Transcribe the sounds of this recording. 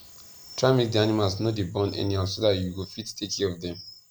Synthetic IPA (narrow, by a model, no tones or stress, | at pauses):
tʰɹamik̚dianimalsnodebɔ̃nɛ̰niɦasoðatjuɡofittʰekʰɛɹɔvdɛ̃m